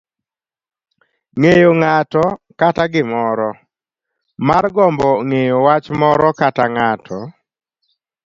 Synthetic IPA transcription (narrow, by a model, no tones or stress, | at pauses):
ŋejoŋatɔkataɡɪmɔɾɔ | marɡɔmbɔŋejowat͡ʃmɔɾɔkataŋatʰɔ